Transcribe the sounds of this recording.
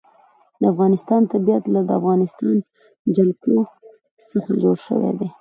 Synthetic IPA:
d̪əafɣɑnɪst̪ɑnt̪abijat̪lad̪əafɣɑnɪst̪ɑn | d͡ʒalko | səxad͡ʒoɽʃə̰wḛd̪e

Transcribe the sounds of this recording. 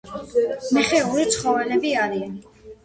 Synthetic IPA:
miχɛuɾit̪sʰχɔvɛlɛbiaɾian

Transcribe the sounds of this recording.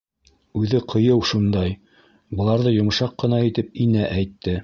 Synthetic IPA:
ʉðɘqʰɤ̆jɤwʃund̪ɑj | bɤ̆lˠɑɾðɤjŏmʃɑqːɤ̆nɑit̪ɘp̚inæʔæjt̪ːɘ

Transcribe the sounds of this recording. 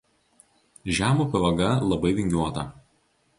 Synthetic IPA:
ʒʲæːmuːpʲɛʋɐɡɐlˠɐbɐɪʋʲɪŋʲɡʲuɔt̪ɐ

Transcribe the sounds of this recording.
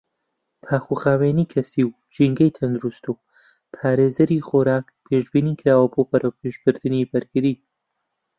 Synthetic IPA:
pʰaːxuxaːweːniːkʰɐsiːw | d͡ʒiŋɡɐjt̪ʰɐnd̪uɾust̪u | pʰaːɾeːzɐɾiːχoːɾaːk | pʰeːʒbiːniːkʰɾaːwɐboːbɐɾɐwpʰeːʒbɨɾd̪ɨniːbɐɾɡɨɾiː

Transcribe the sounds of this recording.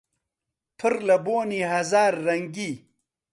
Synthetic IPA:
t̪ʰuɾlɐboːniɦɐzaːɾːɐŋɡi

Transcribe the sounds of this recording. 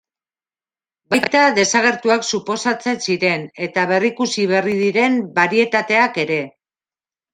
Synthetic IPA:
bajkt̪aðe̞saɣe̞ɾt̪uaksupo̞sat͡se̞nsiɾe̞ne̞t̪aβe̞rikusiβ̞e̞riðiɾe̞mbaɾie̞t̪at̪e̞ake̞ɾe̞

